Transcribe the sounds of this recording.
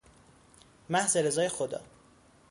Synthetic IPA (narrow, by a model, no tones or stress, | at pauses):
mæhzeɾezɒːje̞xod̪ɒ̰ː